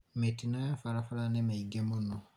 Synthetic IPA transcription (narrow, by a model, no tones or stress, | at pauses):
metinãjafaɾafalanɛmɛiɡɛ̃monɔ̃